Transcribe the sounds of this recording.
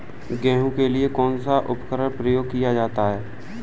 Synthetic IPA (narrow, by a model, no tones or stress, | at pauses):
ɡɛ̃ːɦũkeliekɔːnsaʔʊpkəɾəɽpɾəjoːɡ̚kijad͡ʒaːt̪aɦɛː